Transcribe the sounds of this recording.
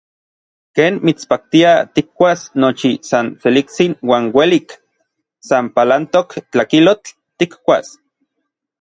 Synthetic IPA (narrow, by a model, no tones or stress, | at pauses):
keːnmit͡spak̚t̪iat̪ik̚ːʷasnot͡ʃisant͡selik̚t͡sinwaːnwelik | sampalant̪okt͡ɬakilot͡ɬ | t̪ːikkʷas